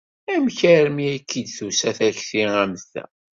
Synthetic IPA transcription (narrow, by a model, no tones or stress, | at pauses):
æmçæɾmiækʰːid̪θusæθæçθiæmθæ̰